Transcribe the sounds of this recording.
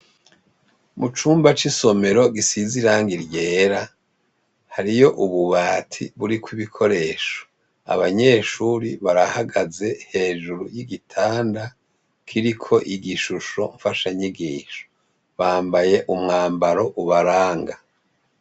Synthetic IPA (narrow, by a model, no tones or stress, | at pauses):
mut͡ʃuːmbat͡ʃiso̞me̞ɾo̞ɡisiziɾaːŋɡiɾje̞ːɾa | haɾijo̞ʔuβuβaːtʰḭβuɾikwiβikʰo̞ɾe̞ʃo̥ | a̰βaɲe̞ːʃuɾiβaɾahaɡaze̞he̞ːʒuɾujiɡitʰaːnda | kʰiɾikʰo̞ʔiɡiʃuʃo̞̰ɱfaʃaɲiɡiːʃo̥ | βaːmbaje̞ʔumŋaːmbaɾo̞ʔuβaɾaːŋɡa